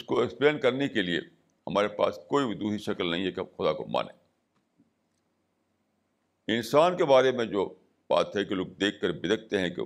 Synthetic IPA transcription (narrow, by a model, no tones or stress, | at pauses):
ʊskoɛkspleːnkɐɾnekeliḛ | hɐmaːɾepa̰ːskoːiɪd̪uːɦiʃɐkəlnɐɦĩɛkxʊd̪ako̰ma̰ːnḛ | ɪnsaːnkebaːɾemẽd͡ʒoː | ba̰ːt̪ɦɛkeloːɡ̚d̪eːkʰːɐɾbɪd̪ək̚ʰt̪eɦɛ̃kḛ